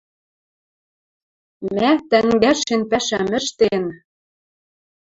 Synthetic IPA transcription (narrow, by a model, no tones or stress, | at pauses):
mæt̪æŋɡæʃenpæʃæmɘ̆ʃt̪en